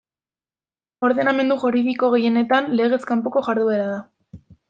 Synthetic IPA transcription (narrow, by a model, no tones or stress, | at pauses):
o̞ɾðe̞name̞nd̪uʝuɾiðiko̞ɣe̞je̞ne̞t̪anle̞ɣ̞e̞skampoko̞ʝaɾðue̞ɾaða